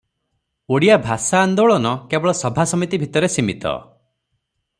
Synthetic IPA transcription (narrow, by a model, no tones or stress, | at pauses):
oɽijabʱasaːnd̪oɭɔnɔkebɔɭɔsɔbʱasɔmit̪ibʱit̪ɔɾesimit̪ɔ̰